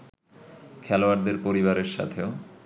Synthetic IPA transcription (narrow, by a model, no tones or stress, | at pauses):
kʰɛloaɾd̪eɾpoɾiβaɾeɾʃa̰t̪ʰeo